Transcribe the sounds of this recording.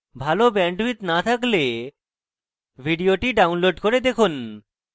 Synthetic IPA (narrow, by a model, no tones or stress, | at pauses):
bʱalobɛɳɖit̪nat̪ʰakle | bʱiɖioʈiɖawnloɖkoɾed̪ekʰun